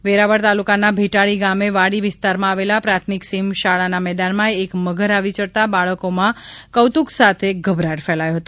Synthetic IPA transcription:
ʋeɾaʋəɽt̪alukanabʱeʈaɭiɡameʋaɽiʋɪst̪aɾmãaʋelapɾat̪ʰmiksimʃaɭanamɛd̪anmãeːkməɡʱəɾaʋit͡ʃəɽt̪abaɭəkomãkəwt̪uksat̪ʰeɡʱəbʱɾaʈfɛlajoɦət̪o

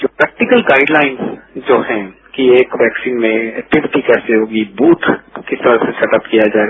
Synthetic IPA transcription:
d͡ʒoːpɾɛːk̚ʈɪkəlɡaːɪɖlaːɪnsd͡ʒoːɦɛ̃kieːkʋɛːksiːnmẽɛʈɪbʈikɛːseɦoːɡibuːt̪ʰkɪst̪ɐɾasesɛʈəpkijad͡ʒaːeɡa

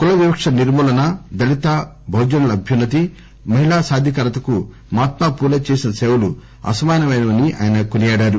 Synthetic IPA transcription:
kulɐʋibɐkʂɐniɾmuːlɐnɐd̪ɐlit̪aː | bʱɐwd͡ʒɐnɐlɐɐbʱjɐnːɐt̪̬i | mɐɦilaːsaːd̪ʱjɐkɐɾɐt̪ɐku | maːt̪maːpuːlɐt͡ʃeːsinɐseːwɐlu | ɐ̰sɐmaːjɐnɐʋɐjnɐmɐniʔa̰ːjɐnɐkunijaːɽaːɾu

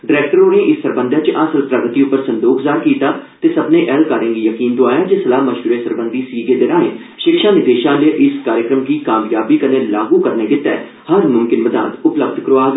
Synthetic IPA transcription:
ɖɪɾɛːk̚ʈəɾoːnĩːɪsːəɾbənd̪ʱãːt͡ʃəʔəsəlpɾəɡt̪iːʊpːəɾsənd̪oːkzaːɾkiːt̪aːt̪eːsəbnẽːʔɛːlkaːɾɪ̃ːŋɡiːjəkiːnd̪oaːjaːd͡ʒeːsəlaːməʃuːɾeːsəɾbənd̪iːsiːɡeːd̪eːɾaːnḛ̃ː | ʃɪkʃaːnɪd̪eːʃãːleʔɪskaːɾjəkɾəmkiːkaːmjaːbiːkəneːlaːɡuːkəɾneːɡɪt̪ɛ̰ː | həɾmʊmkɪnməd̪a̰ːd̪ʊpləb̚d̪ʱkɾoaː

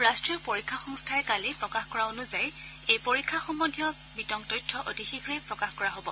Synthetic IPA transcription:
ɹastɹiɔpoɹikʰːaxɔŋstʰaɛkalipɹɔkaxkɔɹaonuzaj | ejpoɹikʰːaxɔmɔnʱijɔ | bitɔŋtɔjtʰːɔʔotixixɹɛpɹɔkaxkɔɹaɦobɔ

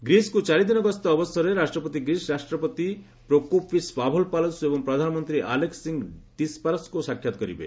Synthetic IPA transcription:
ɡɾiskut͡ʃaɾid̪inɔɡɔst̪ɔːbɔsɔɾeɾasʈɾɔpɔt̪iɡɾisɾasʈɾɔpɔt̪i | pɾokopʰisbabʱɔlpalɔnsuebɔŋpɾɔd̪ʱanɔmɔnt̪ɾiʔalekssiŋɡt̪ispaɾskusakʰjat̪ɔkɔɾḭbḛ

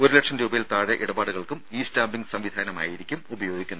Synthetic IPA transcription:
oɾule̞kʂɐmɾuːbɐjilt̪aːɻeʔiɽɐbaːɽuɣɐɭkumiːstaːmbiŋɡsɐmʋid̪ʱaːnɐma̰ːjiɾikʲːumubɐjo̞ːɡʱikʲːunːð

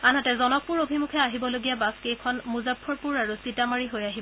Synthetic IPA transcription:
anɦatɛzɔnɔk̚puɹobʱimukʰɛaɦibɔloɡijabaskejkʰɔnmuzabʰɔɹpuɹaɹusitamaɹiɦojaɦib

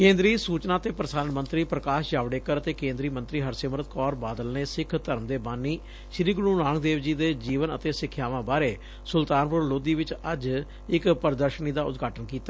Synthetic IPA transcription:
kẽːnd̪ɾiːsuːt͡ʃnãːt̪eːpɾəsaːnmənt̪ɾiːpɾəkaːʃjaːʋɽeːkəɾət̪eːkẽːnd̪ɾiːmənt̪ɾiːɦəɾsɪmɾət̪̚kɔːɾbaːd̪əlneːsɪkʰt̪əɾmd̪eːbaːnːiː | ʃɾiːɡʊɽuːnãːnək̚d̪eːʋd͡ʒiːd̪eːd͡ʒiːʋənə̰t̪eːsɪkʰːjaːʋãːbaːɾeː | sʊlt̪aːnpʊɾloːd̪iːʋɪt͡ʃəd͡ʒ | ɪkpəɾd̪əɾʃəniːd̪aːʊ̰t̪ɡʱaːʈənkiːt̪aː

